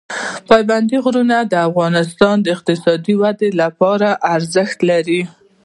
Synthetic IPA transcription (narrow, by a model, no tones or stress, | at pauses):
pɑjband̪iɣɾunad̪əafɣɑnɪst̪ɑnd̪əɪq̚t̪ɪsɑd̪iwad̪elapɑɾaʔaɾzəxt̪laɾi